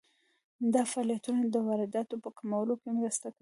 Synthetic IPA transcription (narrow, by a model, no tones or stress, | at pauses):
d̪ɑfaːlijat̪unad̪əwɑɾɪd̪ɑt̪opəkamawəlokemɾəst̪aka